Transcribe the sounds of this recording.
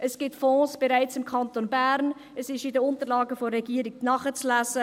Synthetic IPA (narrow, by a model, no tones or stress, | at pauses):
ʔəsɡ̥ɪtfɔ̃ːsb̥ɛɾaɪt͡sɪmkʰɑntonbæɾn | əsɪʃidəʊntəlɑːɡəfoɾɛɡiːəɾik̚nɑχət͡slæszə